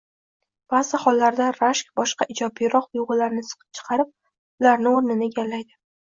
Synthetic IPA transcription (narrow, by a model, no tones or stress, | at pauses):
b̥azɪχɒlːaɾd̪aɾaʃkʲbɒʃqɑʔɪd͡ʒɒbijɾɒqʊjʊʁɨlaɾnɪsɨ̥qʰɨ̥p̚t͡ʃʰɨ̥qʰɑɾɪp̚ | ʊlaɾnɪoɾnɪnɪeɡʲalːajd̪ɪ